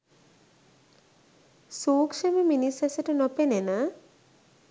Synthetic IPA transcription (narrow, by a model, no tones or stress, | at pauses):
suːkʂəmeminisɐsəʈənopenena